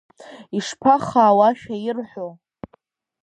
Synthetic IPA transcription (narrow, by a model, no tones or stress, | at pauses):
iʂpʰaχaːwaʃᶣajɪrħʷo